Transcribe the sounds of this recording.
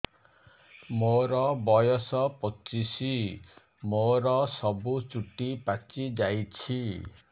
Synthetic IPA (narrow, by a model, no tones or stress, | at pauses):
moɾɔbɔjɔsɔpɔt͡ʃisi | moɾɔsɔbut͡ʃuʈipat͡ʃid͡ʒajt͡ʃʰi